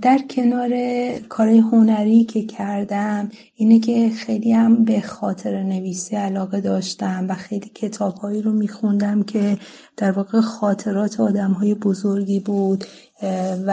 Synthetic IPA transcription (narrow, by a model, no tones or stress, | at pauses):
d̪̥æɾcʰe̞nɒːɾe̞kʰɒːɾɒːje̞ɦonæɾicʰe̞cʰæɾd̪æm | iːnecʰe̞xejliːhæmbe̞xɒːt̪ʰe̞ɾene̞viːsiælɒːɣe̞d̪ɒːʃt̪æmvæxe̞jliːcʰe̞t̪ʰɒːb̥hɒːiːɾomiːxund̪æmcʰe̞ | d̪̥æɾvɒːɣe̞xɒːt̪ʰe̞ɾɒːt̪ʰeɒːd̪æmɦɒːje̞bo̞zoɾɡiːbuːd̪̥